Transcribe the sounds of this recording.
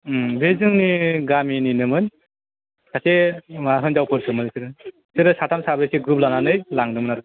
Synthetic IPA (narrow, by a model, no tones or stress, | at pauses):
bezɯŋniɡamininɯmɯn | kʰasemaɦɯnzawpʰɯɾsɯmɯnsɯɾɯ | sɯɾɯsatʰamsabeseɡɾup̚lananɯjlaŋnɯmɯnaɾɯ